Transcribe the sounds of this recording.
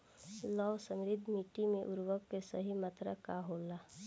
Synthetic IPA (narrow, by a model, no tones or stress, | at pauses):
lɔːʋsəmɾɪd̪ʱmiːʈimẽʔʊɾʋəkːesəɦimət̪ɾəkaɦolaː